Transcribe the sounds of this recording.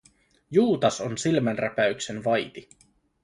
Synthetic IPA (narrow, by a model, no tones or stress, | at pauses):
juːt̪ɑsonsilmænræ̰pæyksenʋɑjt̪i